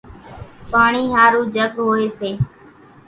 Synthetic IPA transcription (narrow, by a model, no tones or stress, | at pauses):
paːɳiːɦaːɾuːd͡ʒəɠɦoːeːseː